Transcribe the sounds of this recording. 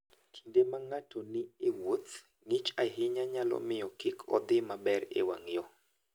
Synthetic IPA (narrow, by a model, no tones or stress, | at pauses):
tʰi̥ndemaŋatʰonɪewot̪ | ŋit͡ʃaɦɪɲaɲalɔ̰mɪjɔkɪkʰɔ̰d̪ɪmabɛɾḛwa̰ŋjɔ